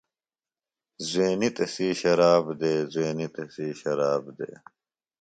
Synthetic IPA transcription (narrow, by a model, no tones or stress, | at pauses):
zweːnit̪ɐsiːɕɐɾaːbd̪eːzeːnit̪esiːɕɐɾaːbd̪ḛː